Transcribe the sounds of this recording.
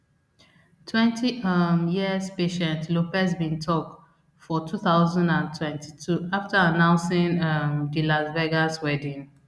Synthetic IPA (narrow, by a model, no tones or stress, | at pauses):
tʰwɛ̃ntʰiʌmjiəspeʃɛ̃ntlopɛsbĩntʰɔk̚ | fɔtʰuθaʊzãndãntʰwɛ̃nti̥tʰuaftaanãʊ̃nsɪ̃ŋʌmdilazvɛɡaswɛdĩŋ